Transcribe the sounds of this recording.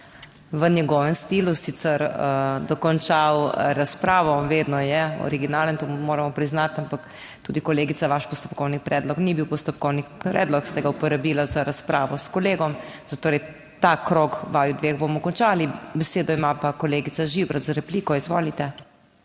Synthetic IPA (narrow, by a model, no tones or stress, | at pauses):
ʋənjɛɡɔːʋəmst̪iːlusiːt̪sɛɾəd̪ɔkɔnt͡ʃawɾaspɾaːʋɔʋeːd̪nɔjɛɔ̰ɾiɡinaːlənt̪omoːɾamɔpɾiznat̪ampak | t̪uːd̪ikɔleːɡit̪saʋaʃpɔst̪ɔ̥pkɔwnipɾɛːd̪lɔknibiwpɔst̪ɔp̚kɔwnipɾɛ̰ːd̪lɔkst̪ɛɡaupɔɾabiːlazaɾaspɾaːʋɔskɔleːɡɔmz̥at̪oːɾɛj | t̪akɾokʋaːjud̪ʋeːɣbomɔkɔnt͡ʃaːlibɛseːd̪ɔimapakɔleːɡit̪saʒibɾat̪zaɾɛpliːkɔizʋo̰ːlit̪ɛ